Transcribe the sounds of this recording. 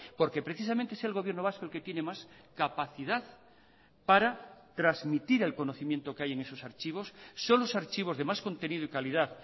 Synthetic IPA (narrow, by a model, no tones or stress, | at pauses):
po̞ɾkepɾe̞θis̬ament̪eeselɣo̞βjeɾnoaskoe̞lket̪je̞nemaskapaθiðað | paɾat̪ɾazmit̪iɾe̞lko̞noθimjent̪okeaje̞ŋe̞so̞saɾt͡ʃiβ̞o̞sːonlosaɾt͡ʃiβ̞o̞zðe̞masko̞nt̪e̞nið̞oikalið̞aθ